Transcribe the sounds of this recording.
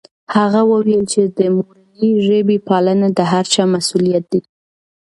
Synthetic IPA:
haɣawəwelt͡ʃed̪əmol | iʒebipɑlənad̪əɦaɾt͡ʃɑmasulijat̪̚d̪̥e

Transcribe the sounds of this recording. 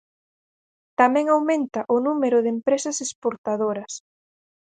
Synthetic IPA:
t̪amɛ̃ŋawmẽnt̪ɐʔʊnumeɾʊðempɾesɐsespoɾt̪aðoɾɐs

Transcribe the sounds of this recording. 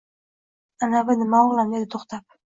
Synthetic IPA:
anavɪnɪmaɒʁlˠamd̪ed̪ɪt̪ʰoχt̪ʰap̚

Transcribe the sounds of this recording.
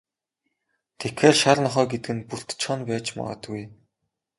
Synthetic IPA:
t̪ʰekʰːeːrʃarnɔχœːɡet̪ɘɡɘ̆npur̥t̪t͡ɕʰχɔnpæːt͡ɕma̰ʁə̰̆t̪ɡuj

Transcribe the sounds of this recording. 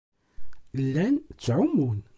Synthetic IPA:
lːænt͡sːʕʊmːun

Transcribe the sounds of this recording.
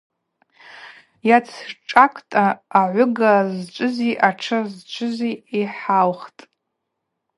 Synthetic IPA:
jat͡sʰʈ͡ʂʼakʷʼtʼaːʕʷʊɡazt͡ʃʷʼɨziʔaʈ͡ʂʰazt͡ʃʷʰɨziiħalχtʼ

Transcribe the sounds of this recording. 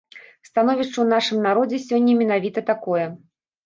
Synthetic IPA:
st̪anɔvʲiʂt͡ʂɐwnaʂɨmnaɾɔd͡zʲɛsʲɔnʲːɐmʲɛn̪avʲit̪ɐt̪akɔjɛ

